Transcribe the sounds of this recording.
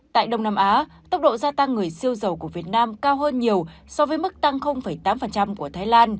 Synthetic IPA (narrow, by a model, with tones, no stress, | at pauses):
t̪a̰ː˧˨jɗə˧wŋ͡mnaː˧mʔaː˨˦t̪ə˦˥wk͡p̚ɗo̰˧˨zaː˧t̪a˧ŋːɨ˨˩əjsi˧əwzə˨˩wku˧˩əvi˨˩ət̚naː˧mkaː˧wɦəː˧nɲi˨˩əwsɔ˨˦vəː˨˦jmɨ˦˥k̚t̪a˧ŋxə˧wŋ͡mfə˧˩jt̪aː˨˦mfə˨˩nt͡ɕa˧mku˧˩ət̪ʰaː˨˦jlaː˧n